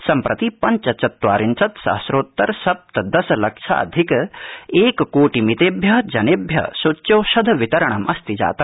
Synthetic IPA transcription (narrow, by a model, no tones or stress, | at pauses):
sɐmpɾʔɐt̪ipɐɲt͡ʃɐt͡ʃɐt̪ːʋa̰ːɾint͡ʃɐt̪sɐ̰ɦɐsɾoːt̪ːɐɾsɐp̚t̪ɐd̪ɐsɐlɐkʂʰa̰ɐ̰d̪ʱikeːkkoːʈimit̪eːbʱjɐd͡ʒɐnebʱjɐ̰sot͡ʃːjɐwʃɐd̪ʱɐʋit̪ɐɾɐɳ̃ɐmʔɐst̪id͡ʒa̰ːt̪ɐ